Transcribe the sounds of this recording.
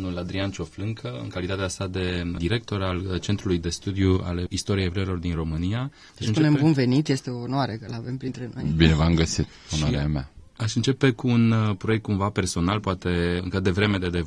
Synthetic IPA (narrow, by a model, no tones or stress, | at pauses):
nulad̪ɾiant͡ʃo̞flɨŋkʰəɨ̰ŋkalit̪at̪easad̪e̞d̪iɾe̞k̚t̪o̞ɾalt͡ʃe̞nt̪ɾulujd̪e̞st̪ud̪jua̰le̞ist̪o̞ɾiejevɾejelo̞rd̪inro̞mɨnija | ʃsɨnpunembunve̞nit̪je̞st̪e̞oːnoaɾekəlavempɾint̪ɾeno̰jbinevamɡəsit̪onʃoaɾeama̰aʃɨnt͡ʃe̞pe̞kuːnpɾo̞jek̚t̪̚kumvape̞rso̞nalpoat̪e̞ɨŋkəd̪evɾe̞me̞d̪ed̪e